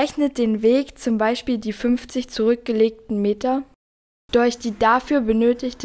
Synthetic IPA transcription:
ɛçnət̚d̥eːnveːkt͡sʊmbaɪʃpiːldiːfʏnft͡sɪçt͡suʁ̞ʏk̚ɡ̥əleːk̚tn̩meːtɐ | d̥ʊɐçd̥iːdafyːɐbənøːtɪçt

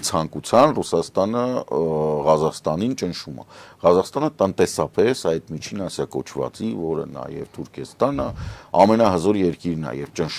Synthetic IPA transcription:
t͡sʰɑŋkut͡sʰjɑnrusɑst̪ɑnə | ʁɑzɑχst̪ɑnint͡ʃənʃumɑ̰ʁɑzɑχst̪ɑnət̪ənt̪ɛsɑpɛsɑjd̪mit͡ʃʰinɑsjɑkɔt͡ʃʰvɑ̰t͡sivɔɾə̰nɑ̰jɛ̰vt̪ʰuɾkʰɛst̪ɑnəɑmɛnɑɦəzɔɾjɛɾkiɾnɑ̰jɛvt͡ʃənʃ

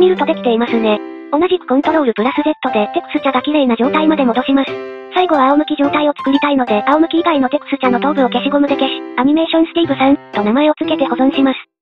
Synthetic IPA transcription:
mʲiɾɯ̟t̪o̞d̪e̞kʲt̪e̞imasɨne̞ | o̞naʑikɯ̟̥kõ̞nt̪o̞ɾo̞ːɾɯ̟pɯ̟ɾasɨze̞t̪ːo̞d̪e̞t̪e̞kɯ̟sɨ̥t͡ɕaɡakʲiɾe̞ːnaʑo̞ːt̪aimad̪e̞mo̞d̪oɕimasɨ̥ | saiɡo̞βaaomɯ̟kʲiʑo̞ːt̪aio̞t͡sɨ̥kɯɾʲit̪aino̞d̪e̞ʔao̞mɯ̟kʲiːɡaino̞t̪e̞kɯ̟sɨ̥t͡ɕano̞t̪o̞ːbɯ̟okʲeɕiɡo̞mɯ̟d̪e̞keɕi̥aɲ̟ime̞ːɕõ̞sɨ̥ɾʲiːbɯ̟saɯ̟̃t̪o̞namae̞o̞t͡sɨ̥ke̞t̪e̞ho̞zõ̞ɰ̃ɕimasɨ̥

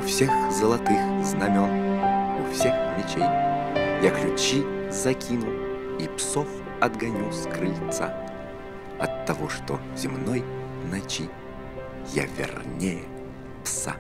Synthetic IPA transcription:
ufsʲexzəlˠɐt̪ɨxznɐmʲɔnufsʲexmʲɪt͡ɕejjaklʲʉt͡ɕizɐkʲʰinʊipsof | ɐd̪ɡɐnʲuskɾɨlʲt̪sa̰ | ɐt̪ːɐvoʂt̪o | z̥ʲɪmnɔjnɐt͡ɕi | ja̰vʲɪ̰rnʲejɛ | psa̰

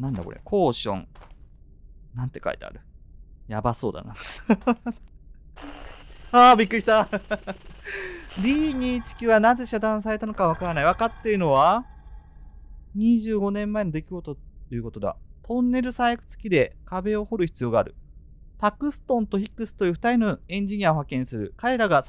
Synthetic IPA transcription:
nãnd̪a̰ko̞̰ɾḛkʰo̞ːɕõ̰ŋ | nãnt̪ːe̞ka̰it̪ea̰ɾɯ̟jabaso̞ːd̪a̰na̰ | aːbʲikːɯɾiɕt̪a | ɾʲiːɲit͡ɕi̥kʲiβanaze̞ɕad̪ãɰ̃s̬aɾe̞t̪ano̞kaβ̞akaɾanaiβakat̪ːeɯ̟no̞βa | ɲ̟iʑɨːɡo̞nẽ̞mːaeɲd̪e̞kʲiɡo̞t̪oojiɯ̟ko̞t̪o̞d̪a̰t̪ʰõ̞nːe̞ɾɯ̟sajkɯ̟̥t͡sɨ̥kʲid̪e̞kabe̞o̞ho̞ɾɯ̟çi̥t͡sɨjo̞ːɡaːɾɯ̟ | pakɯ̟sɨ̥t̪õ̞nt̪o̞çikːɯ̟sɨ̥t̪ojɯɸɯ̥t̪aɾʲinoẽ̞ɲ̟d͡ʑiɲ̟iaoɦakẽ̞ɰ̃sɨɾɯ̟̰kaɾe̞ɾaɡa

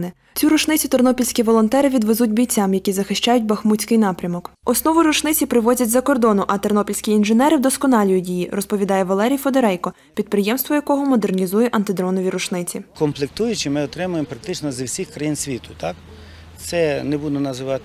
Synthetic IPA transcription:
nɪ | t͡sʲiɾʊt͡ʃnɪt͡sʲit̪ɔrnɔpʲilʲsʲkʲiʋɔlˠɔnt̪ɛɾɪʋʲid̪ʋezutʲbʲijt͡sʲːamjɐkʲizɐxɪʃt͡ʃajʊt̚ʲbɐxmut͡sʲkɪjnɑpɾʲɐmɔkɔsnɔʋʊɾʊt͡ʃnɪt͡sʲipɾɪʋɔzʲɐtʲzɐkɔrd̪ɔnʊʔɐt̪ɔrnɔpʲilʲsʲkʲiːnʒenɛɾɪwd̪ɔskɔnɑlʲijʊdʲijirɔspɔʋʲid̪ɑjɛʋɐlˠɛɾʲijfɔd̪eɾɛjkɔ | pʲid̪̚pɾɪjɛmst̪ʋɔjɐkɔɦɔmɔd̪ernʲizujɛʔɐnt̪ɪd̪ɾɔnɔʋʲiɾʊt͡ʃnɪt͡sʲikɔmplˠɪk̚t̪ujʊt͡ʃɪmɪɔt̪ɾɪmʊjempɾɐk̚t̪ɪt͡ʃnɔzɐwsʲixkɾɐjinsʲʋʲit̪ʊ̥t̪ɑk̪ | sɛnɛbud̪ʊnɐzɪʋɑt̪ɪ

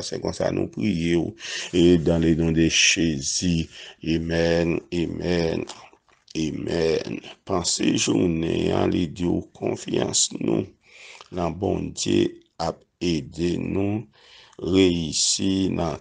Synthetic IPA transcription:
sɛ̃kɔ̃sa̰nʔṵ̃pʁijeed̪ãlenɔ̃d̪eʃeziemɛnemɛn | emɛnpãseʒunɛ̃ãlid̪iwkʰɔ̃fjɑ̃snũ | nãbɔ̃dje | ap̚ | ed̪enũ | ʁeisinʔã

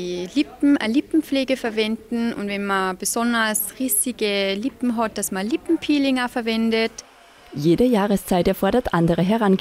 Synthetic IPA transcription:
ilɪpm̩ʔalɪpm̩p͡fleːɡəfɛɐvɛndn̩ʊ̰ntvɛnmɐb̥əzɔndɐsʁiːsɪɡəlɪpm̩ɦɔt̚d̥asmɐlɪpm̩pʰiːlɪŋɐfɛɐvɛndət | jeːdəjaːʁəst͡saɪtɛɐfɔɐɾɐtʔandəʁəɦɛʁan

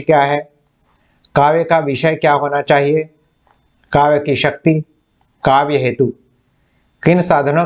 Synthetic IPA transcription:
kjaːɦɛ | kaːʋjəkaʋɪʃəjkjaːɦoːnat͡ʃaːɦie | kaːʋjəkiʃɐk̚t̪i | kaːʋjəɦeːt̪u | kɪnsaːd̪ʱəno

